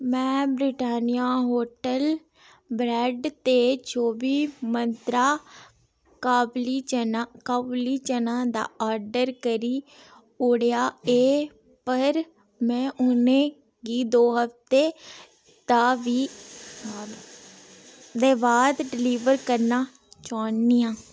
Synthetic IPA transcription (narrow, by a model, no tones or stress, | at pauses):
mɛ̃ːbɾɪʈaːnijaːɦoːʈəl | bɾɛːɖt̪eːt͡ʃʰoːbiːmənt̪ɾaː | kaːblit͡ʃənakaːbliːt͡ʃənãːd̪a̰ːʔaːɾɖəɾkəɾiː | ʊɽjaːeː | pəɾ | mɛ̃ːʔʊnẽː | ɡiːd̪oːɦəpt̪eː | t̪aːʋiː | d̪ | d̪eːbaːd̪ɖɪliːʋəɾkəɾnaː | t͡ʃaːnːiːãː